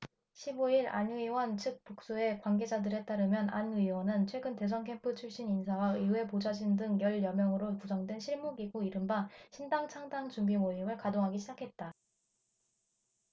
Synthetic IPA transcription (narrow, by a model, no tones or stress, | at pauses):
ɕʰiboiɾa̰nuiwʌnt͡ɕʰɯk̚p͈ok̚s͈oe̞kwaŋɡe̞d͡ʑadɯɾe̞t͈aɾɯmjʌna̰nɯiwʌnɯnt͡ɕʰwe̞ɡɯnte̞s̬ʰʌŋkʰe̞mpʰɯt͡ɕʰuɭɕ͈ininsʰawaiue̞pod͡ʑad͡ʑindɯŋjʌɭjʌmjʌŋɯɾopud͡ʑʌŋdwe̞nɕʰiɭmuɡiɡoiɾɯmbaɕʰindaŋt͡ɕʰaŋdaŋt͡ɕuŋɡimoimɯɭkadoŋɦaɡiɕʰid͡ʑakʰe̞t̚t͈a